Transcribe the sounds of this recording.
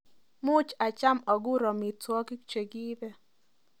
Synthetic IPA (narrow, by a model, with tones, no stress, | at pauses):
mʊ˦t͡ʃa˨t͡ʃa˦mɔ˨ɡʊ˦ɾɔ˨mi˨twɔ˦kɪ˦kt͡ʃe˨ɡi˦bɛ˦